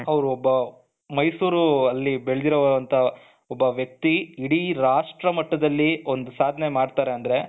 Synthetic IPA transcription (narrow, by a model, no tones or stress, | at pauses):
ɐʋɾuɔbːɐ | mɐjsuːɾuɐlːibeɭed̪iɾoʋʋɐnt̪ʰɐ | ɔbːɐʋjɐk̚t̪iiɽiɾaːʂʈɾɐmɐʈːɐd̪ɐlːio̞nd̪usaːd̪ʱɐne̞maːɖt̪aːɾe̞ɐnd̪ɐɾe̞